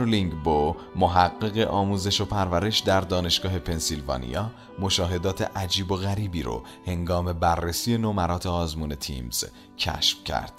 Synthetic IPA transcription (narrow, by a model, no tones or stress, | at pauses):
ɾliŋɡbo | moɦæɢːeɣeʔɒːmuːze̞ʃopʰæɾvæɾe̞ʃd̪æɾd̪ɒːne̞ʃɡ̥ɒːɦe̞pʰe̞nsilvɒ̰ːnḭjɒː | mo̞ʃɒːɦe̞d̪ɒːt̪ʰḛʔæd͡ʒiːbo̞ɣæɾiːbiːɾo̰ | he̞ŋɡɒːme̞bærːesije̞nomæɾɒːt̪ʰeɒːzmuːne̞t̪ʰḭːmz̥ | cʰæ̰ʃfcʰæ̰ɾd̪̥